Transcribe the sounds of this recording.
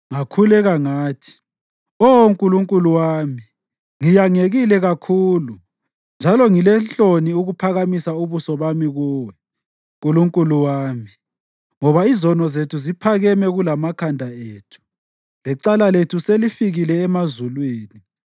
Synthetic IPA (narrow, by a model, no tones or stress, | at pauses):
ŋakʰulɛɣaŋaːtʰi̥ | oŋkʼuluŋkʼuluwaːmi | ŋijaŋeɣilɛɣakʰuːlu | nd͡ʒʱalɔŋilɛnɬoniuɣupʰaɣamisauβusɔβamiɣuːwɛ | ŋkʼuluŋkʼuluwaːmi | ŋɔβaizɔnɔzetʰuzipʰaɣɛmɛɣulamakʰandʱaeːtʰu̥ | lɛǀalaletʰuselifiɣilɛːmazulwiːni